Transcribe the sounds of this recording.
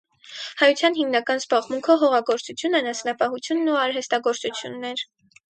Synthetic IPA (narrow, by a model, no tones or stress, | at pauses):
hɑjut͡sʰjɑn̪himnɑkɑnzbɑʁmuŋkʰɔɦɔʁɑɡɔɾt͡sut͡sʰjunɛnɑsnɑpɑhut͡sʰjunːuɑɾɦɛst̪ɑɡɔɾt͡sut͡sʰjṵnːɛɾ